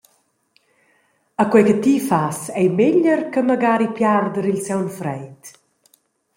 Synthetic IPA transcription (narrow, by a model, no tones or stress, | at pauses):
əkwɛkət̪ifasɛjmeʎərkəməɡaːɾipjard̪əɾilsɛwnfɾɛjt̪